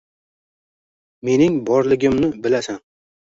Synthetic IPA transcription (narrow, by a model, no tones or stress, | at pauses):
me̞nɪŋbɒɾlɪɡʲɪmnɪbɪlasan